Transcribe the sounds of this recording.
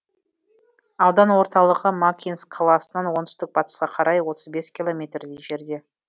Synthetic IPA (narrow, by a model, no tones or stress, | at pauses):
ɑwd̪ɑnwo̞ɾt̪ɑlˠəʁəmakʲʰinskʰːɑlˠɑsənɑnwo̞nt̪ʏst̪ɪk̚bɑt̪ə̥sqɑqʰɑɾʔɑjwo̞t̪əzbe̞skʲilˠo̞mʲe̞t̪rd̪ejʒe̞ɾd̪e̞